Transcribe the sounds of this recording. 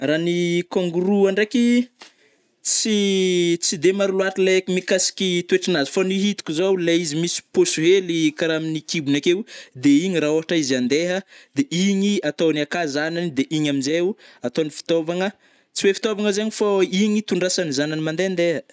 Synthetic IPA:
ranikoŋɡuɾuaɳɖ͡ʐeki | t͡sit͡sid̪emaɾuluaʈ͡ʂilekimikasi̥kit̪weʈ͡ʂanazi̥faniɦit̪u̥kʲizowleizimisi̥posuɦelikaɾaminikibunakewd̪eiɲiraoɦaʈ͡ʂaizand̪eɦəd̪eiɲiat̪owniakazananid̪eʔiɲaminzeuat̪onifi̥t̪ovaŋə | t͡siwefi̥t̪ovaŋəzeɲifaiɲit̪uɳɖ͡ʐasanizananimand̪eand̪eɦə

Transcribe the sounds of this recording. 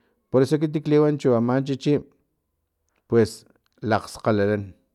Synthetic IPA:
poɾesok̬it̪̬ikliwant͡ʃuamaːnt͡ʃit͡ʃiːm | pwes | laq͡χsqalalan

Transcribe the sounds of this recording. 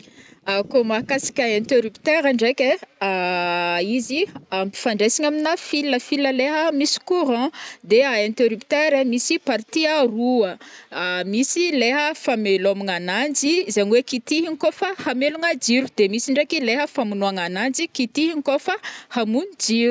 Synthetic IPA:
akomakasḁkʲaẽnt̪eɾupt̪eɾaɳɖ͡ʐekʲea | iziampi̥faɳɖ͡ʐesiɲaminafilːəfiləleɦəmisi̥kuɾãd̪eaẽnt̪eɾupt̪eɾemisipaɾt̪iaruə | misileɦəfamelomaŋanand͡ʒizaɲwekit̪iɦiŋkofəhameluŋəd͡ʒiɾu̥d̪̥emisiɳɖ͡ʐekʲileɦəfamunoaŋanand͡ʒikit̪iɦiŋkofəhamunid͡ʒiɾu

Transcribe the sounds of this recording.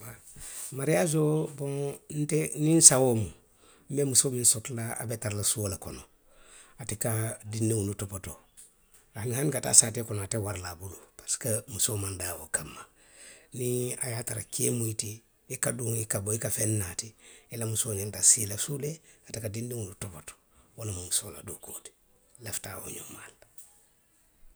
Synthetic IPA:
wa | maɾijazobõŋn̩teninsawomu | m̩bemusoːminsotlaa̰betaɾlasuolakono | atikadindiŋunutopoto | ahanihankata̰saːtekonoatewaɾlabulupaɾsi̥kamusoːmandawo̰kamːa | niajataɾa̰kemuitiː | kaduːŋikaboikafenːatiilamusoːnintasilasuleatikadindiŋunutopoto̥ | walamamusoːla̰duko̰ːti̥ | lefta̰ːwo̰ɲo̰mal

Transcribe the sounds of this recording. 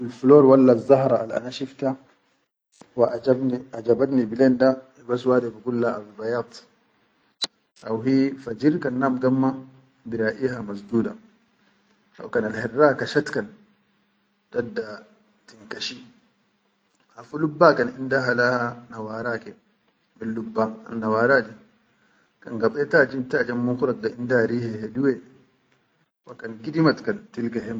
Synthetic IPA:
bilfuloːɾwalːazːaɦɾˤɑʔa̰lʔa̰naʃift̪a | waʔad͡ʒabniad͡ʒabat̪nibilenda | baswaːd̪ebikulːaʔabibajaːt̪ˤ | ʔawɦifad͡ʒiɾkanːaːmɡamːa | biɾaːʔihamasd̪uːda̰ | ʔa̰wkanalhirːakaʃat̪kan | d̥adːa | tiŋkaʃi | hafulubːakanḭndaɦalahanawaɾakɛ | bilːubːaa̰nːawaːɾadi | kaŋɡaɓɛtad͡ʒimtad͡ʒamːuŋkuɾaɡaindaɾiːhɛhɛduwɛ | wakankidimatkantilɡɛɦɛm

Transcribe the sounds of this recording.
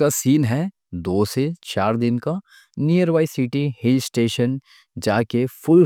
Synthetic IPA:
asiːnɦɛ | d̪oːset͡ʃaːɾd̪ɪnka | nijəɾʋaːisiːʈihɪlsʈeːʃən | d͡ʒaːkefʊl

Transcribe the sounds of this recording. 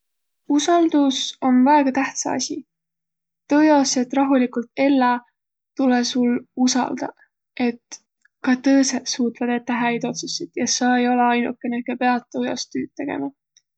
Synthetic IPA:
usɑld̪̥uso̞nvæeɡ̥ɑt̪æht̪sɑ̰ɑ̰sʲi | t̪ːɤːjɑose̞t̪ːˑrɑɦulikult̪e̞lːɑ | t̪ulesulusɑ̰ld̪̥ɑ̰ | ʔe̞t̪ | kɑt̪ɤːset̪suːt̪ˑvɑd̪e̞t̪ːæɦæjd̪o̞t̪susit̪jɑsɑejo̞le̞ɑjnṵkːˑe̞nekepeɑt̪ːɤːjo̰st̪yːt̪̚t̪ːe̞ɡ̥ḛmɑ

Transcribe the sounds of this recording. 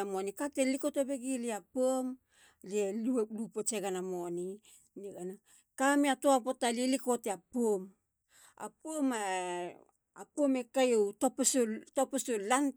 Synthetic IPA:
amonikatelikotebeɡiliapom | liellupot͡ʃeɡanamoni | niɡana | kamieatoapo̞talielikoteapom | a̰poma | apuomekajowtopesotopesolan

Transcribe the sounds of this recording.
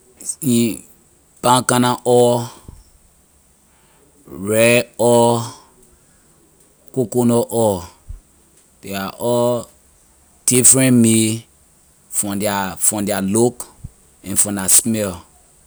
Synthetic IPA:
ni | b̥ãŋkanaʔɔ | ɹɛɔ | kokonɔʔɔ | d̥eaʔɔ | d̥ifɾɛ̃nme | fɔ̃mdafɔ̃mdɛalok | ɛ̃nfɔ̃nasmɛl

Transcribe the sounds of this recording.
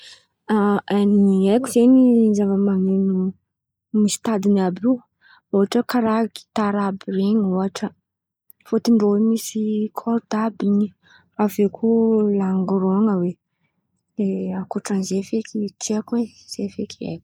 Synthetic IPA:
aaniekuzenizavəmaŋenu | misi̥t̪ad̪inabi | uɦaʈ͡ʂəkaɾaki̥t̪aɾabiɾeɲuɦaʈ͡ʂə | fot̪iɳɖ͡ʐowemisikʰoɾd̪abini | avekʰulaŋɡɾoŋəwe | leakoʈ͡ʂanzefekit͡ʃiakwe | z̥efekʰiḛk

